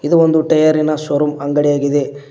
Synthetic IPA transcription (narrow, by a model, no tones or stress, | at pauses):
id̪uond̪uʈɐjɐɾinɐswɐɾumɐŋɡɐɽijaːɡid̪e̞